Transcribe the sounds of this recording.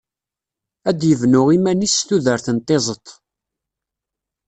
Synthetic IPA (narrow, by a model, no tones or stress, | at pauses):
æd̪jəvnʊʁimænist̪uðəɾθənt̪ˤːezˤət̪ˤ